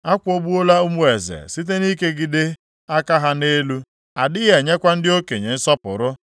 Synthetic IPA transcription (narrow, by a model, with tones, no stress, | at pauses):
a˦kʷo˦bu˦o˦la˦u˦mu˦e˨zḛ˨si˦t̬e˦ni˦ke˦ɡɪ˨dɪ˦ | a˦ka˦ɦa˦ne˦lu˦ | a˨dɪ˦ɣe˨ɲe˦kʷa˦n̩˦dɪ˦o˦ke˨ɲe˨n̩˦sɔ˦pʊ̰˨ɾʊ˦